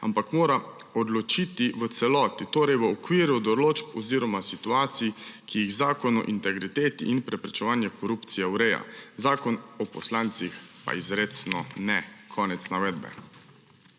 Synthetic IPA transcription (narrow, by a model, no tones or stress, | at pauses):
a̰mpakmoːɾa | ɔd̪lɔt͡ʃit̪iʋət̪sɛlɔːt̪it̪oːɾɛjʋəɔkʋiːɾud̪ɔloːt͡ʃpɔziːɾɔmasit̪uaːt̪sijikijiɣzaːkɔnɔ̰ʔint̪ɛɡɾit̪eːt̪ḭʔinpɾɛpɾɛt͡ʃɛʋaːnjɛkɔɾupt̪sijɛwɾɛːja̰zaːkɔnɔpɔslaːnt̪sixpa̰izɾeːt̪snɔnɛkʰɔːnɛt̪snaʋɛːd̪bɛ̰